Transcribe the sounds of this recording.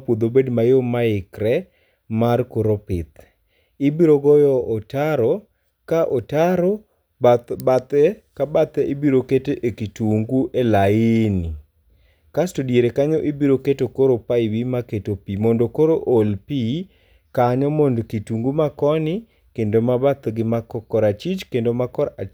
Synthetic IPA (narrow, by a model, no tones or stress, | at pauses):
pwod̪obedmajomaɪkɾɛ | markoɾopɪt̪ | ɪbiɾoɡɔjɔʔːtaɾo | kaʔotaɾo | babat̪ɛ | kabat̪ɛibiɾoketeʔekituŋɡuʔelaɪni | kastodieɾekaɲɔʔibiɾoketokoɾopaɪwimaketopimondokoɾoʔolpi | kaɲɔmondkituŋɡumakɔnɪ | kendomabat̪ɡɪmakɔkɔɾat͡ʃit͡ʃkendomakɔɾa